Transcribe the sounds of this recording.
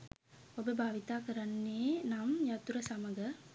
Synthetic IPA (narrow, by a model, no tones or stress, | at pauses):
obəbʱaːʋit̪aːkəɾanːeːnamjat̪uɾəsaməɡə